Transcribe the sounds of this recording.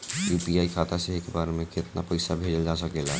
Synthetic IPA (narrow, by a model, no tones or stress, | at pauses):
jupiaikʰat̪asẽɦekebaɾemeket̪napəɪsabʱed͡ʒəld͡ʒasəkela